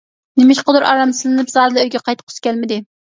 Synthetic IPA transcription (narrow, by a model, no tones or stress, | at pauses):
nɪmɪʃqʊd̪uɾɑ̰ɾɑmsɨlɨnɨpzɑːd̪ɨd̪øjɡʲɛqʰɑjt̪qʰʊ̥skʲʰɛlmɪd̪ɪ